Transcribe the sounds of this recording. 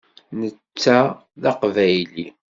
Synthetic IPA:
nət͡sːæ | ðɑqvæjli

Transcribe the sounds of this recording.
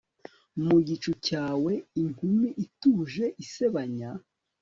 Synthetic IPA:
muɟit͡ʃucaːwe̞iŋ̥umiʔituːʒe̞ʔiseβaɲa

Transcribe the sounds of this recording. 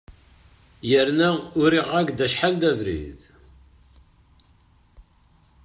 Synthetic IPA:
jəɾnæʊɾiʁæɡd̪æʃħald̪ævɾḭð

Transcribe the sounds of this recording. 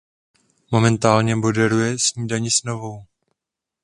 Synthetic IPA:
mo̞mɛnt̪aːlɲɛmo̞dɛɾujɛsɲiːdaɲɪsno̞vo̞w

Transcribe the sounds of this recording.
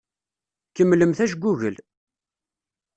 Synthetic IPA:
kəmːləmθæʃɡʷːuʝəl

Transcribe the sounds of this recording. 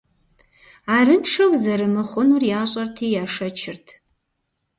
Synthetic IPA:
arɨnʂʰɐwzɐɾɨmɨχʷʊnurjaːɕʷʼɐrtʰijaʂɐt͡ʃʰɪrtʰ

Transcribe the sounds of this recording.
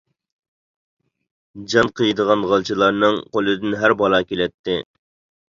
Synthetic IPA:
d͡ʒɑnqʰəjid̪əʁɑnʁɑlˠt͡ʃʰilˠɑɾnɨŋqʰolˠɨd̪ɪnɦæɾbɑlˠɑːkʲelɛt̪ʰːɪ

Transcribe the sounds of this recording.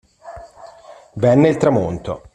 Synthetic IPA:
vɛnːeilt̪ɾamont̪o̰

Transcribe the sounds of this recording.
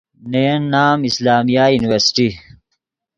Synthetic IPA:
nejɐnːaːmɪslaːmijajuniwɐɾsi̥ʈi

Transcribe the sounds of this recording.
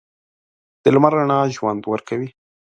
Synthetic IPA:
d̪̥əlmaɾaɳɑʒwand̪wəɾkawi

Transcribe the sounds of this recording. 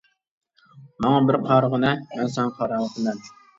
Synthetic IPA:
mɑŋɑbɪɾqʰɑɾʁənɛmɛnsɛŋqʰɑɾɑlˠəqʰəd̪ɛn

